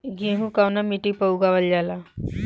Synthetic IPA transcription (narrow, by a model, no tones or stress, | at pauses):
ɡiɦũkawnamiʈipəwɡaʋəld͡ʒala